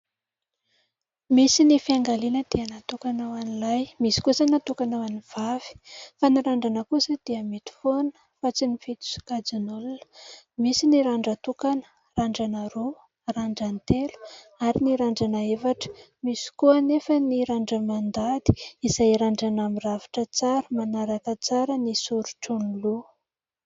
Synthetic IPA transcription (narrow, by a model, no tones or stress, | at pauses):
misinifiaŋɡalinəd̪̥iənat̪ukanawanilajmisi̥kusanat̪ukanawaniv̥av̥i̥faniɾaɳɖ͡ʐanəkusəd̪̥iəmit̪u̥fonə̥ | fat͡sinifit̪u̥su̥kad͡zinolunə̥misiniɾaɳɖ͡ʐat̪ukanə̥ | raɳɖ͡ʐanəɾo | raɳɖ͡ʐant̪elu̥ | aɾiniɾaɳɖ͡ʐanaefaʈ͡ʂə̥ | misi̥kuənefəniɾaɳɖ͡ʐəmand̪ad̪i̥izajɾaɳɖ͡ʐanamiravi̥ʈ͡ʂət͡saɾəmanaɾakət͡saɾənisuɾuʈ͡ʂunlu